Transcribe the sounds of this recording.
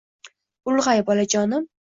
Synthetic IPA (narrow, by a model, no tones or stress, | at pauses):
ʊlˠʁajbɒlad͡ʒɒnɪm